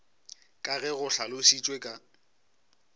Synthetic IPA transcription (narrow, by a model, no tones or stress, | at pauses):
kʼaɣɛɣʊɬalʊsit͡ʃʼwekʼa